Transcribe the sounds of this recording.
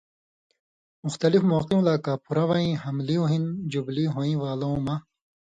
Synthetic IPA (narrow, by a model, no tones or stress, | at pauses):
muxt̪ɐlifmoːqĩlaːkaːpuɾɐwɐĩhɐmliuɦind͡ʑubliɦõːĩwaːlɐũmɐ